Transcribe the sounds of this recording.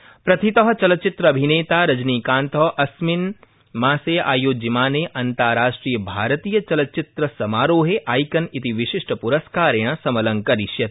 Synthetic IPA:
pɾɐt̪ʰit̪ɐɦɐ̆t͡ʃɐlɐt͡ʃit̪ɾɐɐbʱineːt̪aːɾɐd͡ʒniːkãːnt̪ɐɦʔɐsmin | maːseːa̰ːjoːd͡ʒimaːneːʔɐnt̪aːɾaːʂʈɾiːjɐbʱaːɾɐt̪iːjɐt͡ʃɐlɐtt͡ʃit̪ɾɐsɐmaːɾoːɦeʔaːjkɐnit̪iʋiʃiʂʈɐpuɾɐskaːɾẽɐ̃sɐmɐlɐŋkɐɾiʃjɐt̪

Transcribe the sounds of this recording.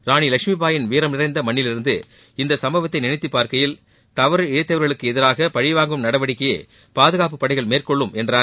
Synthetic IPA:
ɾaːnilɐkʂmipaːjɪnʋiːɾɐmnɪrɐɪnd̪ɐmɐɳːɪlɪɾɯnd̪ɯ | ɪnd̪ɐsɐmbɐʋɐt̪ːɐɪnɪnɪt̪ːɯpːaːɾkɐjɪl | t̪ɐʋɐɾɯɪɻɐɪt̪ːɐʋɐɾɣɐɭɯkːɯɛðɪɾaːɣɐpɐɻɪʋaːŋɡɯmnɐɽɐʋɐɽɪkːɐjḛː | paːðɯɣaːp̬ɯpːɐɽɐɪɣɐɭmeːrkɔɭːɯmʔɛndraːɾ

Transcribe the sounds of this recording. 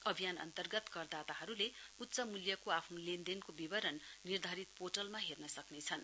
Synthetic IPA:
ʌbʱijanʌ̰nt̪ʌrɡʌt̪kʌrd̪at̪aɦʌɾuleut̪ːt͡sʌmuljʌkoapʰnulind̪enkobibʌɾʌnːird̪ʱaɾit̪poʈʌlmaɦernʌsʌknet͡sʰʌn

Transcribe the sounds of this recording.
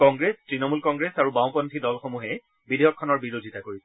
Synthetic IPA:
kɔŋɡɹestɹinɔmulkɔŋɡɹesaɹubãw̃pɔntʰidɔlxomuɦɛ | bidʱejɔkʰːɔnɔɹbiɹodʱitakoɹisɛ

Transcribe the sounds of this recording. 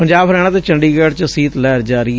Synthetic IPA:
pəɲd͡ʒaːbɦɾɛːɽ̃ãːt̪eːt͡ʃəɳɖiːɡɛːɽt͡ʃəsiːt̪lɛːɾd͡ʒaːɾiː

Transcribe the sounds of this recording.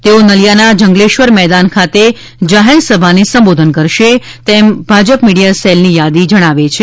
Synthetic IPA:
t̪eonəljanad͡ʒəŋɡleʃʋəɾmɛd̪ankʰat̪e | d͡ʒaɦeɾsəbʱanesə̃mbod̪ʱənkəɾʃe | t̪embʱad͡ʒəpmiɽijaselnijad̪id͡ʒəɽ̃aʋet͡ʃʰe

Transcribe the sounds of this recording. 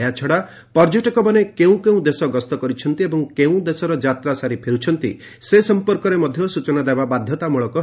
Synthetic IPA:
jat͡ʃʰɔɽa | pɔɾd͡ʒɔʈɔkɔbanekeũkeũd̪esɔɡɔst̪ɔkɔɾit͡ʃʰɔnt̪iebɔŋkeũd̪esɔɾɔd͡ʒat̪ɾasaɾipʰeɾut͡ʃʰɔnt̪ḭ | sesɔmpɔɾkɔɾemɔd̪ʱjɔsut͡ʃɔnad̪ababad̪ʱjɔt̪amuɭɔkɔ

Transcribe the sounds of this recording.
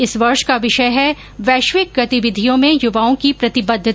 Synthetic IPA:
ɪsʋɐɾʃkaʋɪʃəjɦɛ | ʋɛːʃʋɪk̚ɡɐt̪ɪʋɪd̪ʱijõmẽjʊʋaːõkipɾɐt̪ɪbɐd̪ʱɪ

